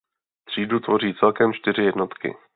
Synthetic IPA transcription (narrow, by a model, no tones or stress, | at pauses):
t̪r̝̥iːdut̪vo̞r̝iːt͡sɛlkɛmt͡ʃt̪ɪɾ̝ɪjɛdno̞t̪kɪ̰